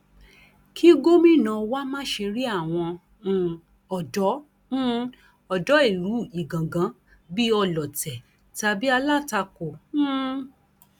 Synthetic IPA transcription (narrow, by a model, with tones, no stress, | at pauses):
kʰi˦ɡo˦mĩ˦˨nã˨˧wa˦mã˦ʃe˧ɾi˦a˦˨w̃ɔ̃˧˨ | ɔ˨dɔ̃˨˦ | ɔ˨dɔ˨˦e˦˨ɾu˨˦i˨ɡã˨ɡã˨˦ | bi˦ɔ˧lɔ˨tɛ˨ | ta˧bi˦a˧la˦˨ta˧ko˨˦